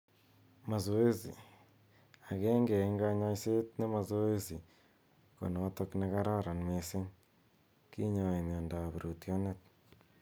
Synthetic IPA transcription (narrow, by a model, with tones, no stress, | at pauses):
ma˨zo˨e˦zḭ˨ | a˨kɛ˦ŋɡɛ˨˦ŋɡa˦ɲa˦ise˦tne˦ma˨zo˦e˦zi˨ | ko̰˨notɔ˦kneka˦ɾa˦ɾa˨nme˦se˦ŋ | ki˦ɲa˨a˨i˨m˨a˨nda˨βe˨ɾʔo˨tjo˦net̚